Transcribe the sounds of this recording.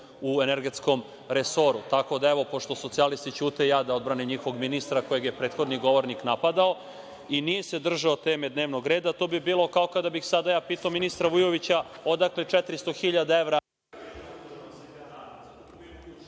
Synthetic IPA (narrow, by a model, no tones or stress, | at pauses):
ueneɾɡe̞t̪sko̞m | ɾeso̞ɾut̪ako̞d̪aeʋo̞po̞ʃt̪o̞so̞t̪sialist̪it͡ɕuːt̪ejaːd̪ao̞d̪bɾanimɲixoɡminist̪ɾako̞jeɡje̞pɾe̞ːt̪xo̞d̪niɡo̞ʋo̞ɾniknapad̪ao | inije̞se̞d̪r̩ʒaot̪e̞ːmed̪neʋno̞ɡɾeːd̪at̪oːbibiːlˠo̞kaokad̪abixsad̪ajaːpiːt̪aominist̪ɾaʋujoʋit͡ɕaod̪aklet͡ʃɛt̪ɾist̪o̞xiʎad̪ae̞ʋɾa